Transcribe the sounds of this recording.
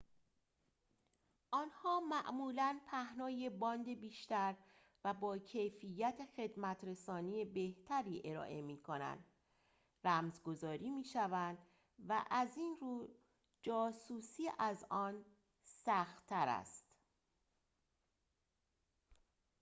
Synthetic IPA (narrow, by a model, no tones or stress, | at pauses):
ʔɒːnhɒːmæʔmuːlænpʰæhnɒːje̞bɒːnd̪ebiːʃt̪æɾ | væbɒːcʰe̞jfijːæt̪ʰexe̞d̪mæt̪ʰɾe̞sɒːnije̞be̞ht̪ʰæɾiːʔe̞ɾɒ̰ːʔe̞miːkʰo̞næ̰nd̪̥ | ræmzɡo̞zɒːɾiːmiːʃævænd̪ | væʔæziːnruː | d͡ʒɒːsuːsiːʔæzʔɒːn | sæxt̪ʰːæɾæ̰st̪